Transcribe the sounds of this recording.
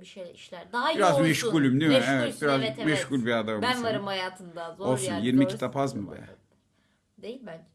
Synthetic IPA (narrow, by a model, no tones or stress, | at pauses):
biʃeiʃlʲæɾd̪iɾazmɛʃɡulʲimd̪imɾevɛt̪̚biɾazmɛʃɡulʲbiad̪ambanaɾɯmhajaːt̪ʰɯnd̪aolˠsunjiɾmicʰi̥t̪ʰapazmɯbḛja̰ | d̪ejibænd͡ʒ